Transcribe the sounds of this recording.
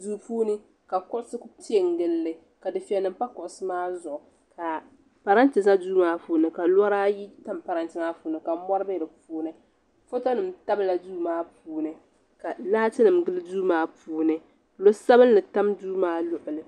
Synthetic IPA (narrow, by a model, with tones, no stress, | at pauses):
duː˨puː˦nɨ˦ | ka˨kʊ˦ʔʊ˦sɨ˦kti˦ɛ˨ŋ˨ɡɨ˦lːɨ˦ | ka˨dɨ˨fi˨ɛ˨nɨ˨m˦pa˦kʊ˨ʔʊ˨sɨ˦maː˦zʊ˨ʔʊ˨ | ka˨ | pa˨ɾa˦ntɨ˨za˦duː˦maː˦puː˦nɨ˨ka˨la˦ɾaː˦ji˦ta˦mpa˨ɾa˨ntɨ˨maː˦puː˨˦nɨ˨ka˨˦mɔ˦ɾɨ˦bɨ˦˨dɨ˨puː˦nɨ˦ | fo˦to˦nɨ˨mta˦bɨ˦˨la˨duː˦maː˦puː˨˦nɨ˨ | ka˨laː˦tɨ˦nɨ˨mɡɨ˦lɨ˦duː˦maː˦puː˦nɨ˨ | lo˦sa˦bɨ˦nː˦ɨ˨ta˦mduː˦maː˦lʊ˨ʔɨ˨lɨ˨